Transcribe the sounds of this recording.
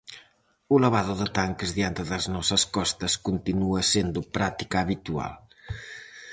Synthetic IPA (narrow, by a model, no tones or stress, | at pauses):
uləβaðuðət̪aŋkəzðiant̪əðəznɔsɐskɔst̪ɐskunt̪inuɐsend̪upɾat̪ikaːβit̪ua̰lˠ